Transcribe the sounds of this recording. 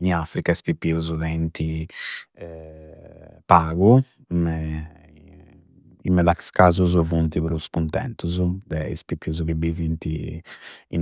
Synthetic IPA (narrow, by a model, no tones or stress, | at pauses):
ɲiafɾikaɛspipːiuzud̪ɛnt̪ʰi | ɛ | paːɡu | mɛ | imɛd̪akskaːzuzuvunt̪iβɾuskunt̪ɛ̰nt̪uzud̪ɛḭspipːiuzukibivint̪i | ḭn